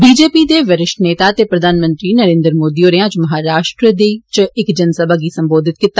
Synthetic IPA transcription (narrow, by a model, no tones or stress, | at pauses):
biːd͡ʒeːpiːd̪eːʋəɾɪʃʈneːt̪aːt̪eːpɾəd̪ʱaːnmə̃nt̪ɾiːnəɾẽːnd̪əɾmoːd̪iːoːɾeãːt͡ʃməɦaːɾaːʃʈɾəd̪et͡ʃɪkd͡ʒənsəbʱaɡiːsəmboːd̪ʱɪt̪̚kɪt̪ːa